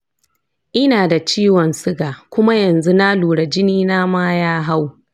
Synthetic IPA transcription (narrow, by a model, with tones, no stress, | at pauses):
ʔɪ˦naː˨da˨t͡ʃiː˦wɔ˨nsʊ˦ɡaː˨kʷʊ˦ma˦jɐ˨nzu˦na˦luː˨ɽɐ˨d͡ʒɪ˦niː˦naː˦maː˦jaː˦ɦa˦w